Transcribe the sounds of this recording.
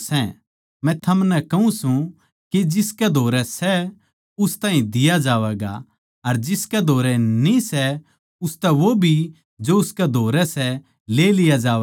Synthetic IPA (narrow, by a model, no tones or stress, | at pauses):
sɛ | mɛ̃t̪ʰɐmnɛkɐũsũ | kid͡ʒɪskɛd̪ʱoːɾɛsɛ | ʊst̪ãːɦĩd̪ɪjad͡ʒaːʋɛːɡa̰ | ɐɾd͡ʒɪskɛd̪ʱoːɾɛnisɛ | ʊst̪ɛʋobʱi | d͡ʒoʊskɛd̪ʱoːɾɛsɛ | leːlɪjad͡ʒaːɛ